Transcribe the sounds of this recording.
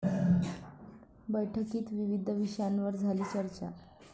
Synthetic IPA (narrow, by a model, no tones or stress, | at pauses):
bəjʈʰəkiːt̪ʋiʋid̪ʱəʋiʂəjanʋəɾd͡zʱaliːt͡ɕəɾt͡ɕa̰